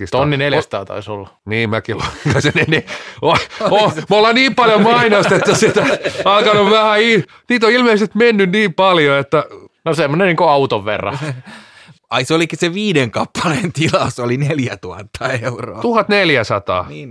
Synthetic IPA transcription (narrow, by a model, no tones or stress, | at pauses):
ist̪onːineljst̪ɑ̰ːt̪ɑ̰isolːɑniːmækilokɑseneneoomolːɑniːmpɑljomɑinost̪et̪ːɑssit̪æɑikɑnoʋʋæhæi | niːt̪oilmeˑisest̪menːynniːmpɑljoet̪ːænosemːoneniːŋkoɑut̪oʋʋḛrːɑ̰ | ɑiseolikːiseʋiːdeŋkɑpːɑlent̪ilɑsolineljæt̪uhɑt̪ːɑeuro̰ːtuhɑt̪neljæsɑt̪ɑ̰ː